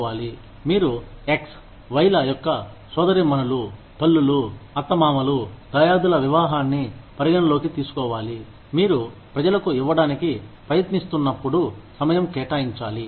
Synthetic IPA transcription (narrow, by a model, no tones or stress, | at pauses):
aːli | miːɾueks | ʋɐjlɐjɔkːɐ | sɔːd̪ɐɾimɐnɐlu | pɐlːuluɐt̪ːɐmaːmɐlud̪̥ɐjaːd̪ulɐʋiʋaːɦaːnːipɐɾiɡɐnɐlo̞ːkit̪iːsu̥kɔːʋaːli | miːɾupɾɐd͡ʒɐlɐkuiʋːɐɽaːnikipɾɐjɐt̪nist̪unːɐpːuɽusɐmɐjɐmkɛːʈaːjiɲt͡ʃaːli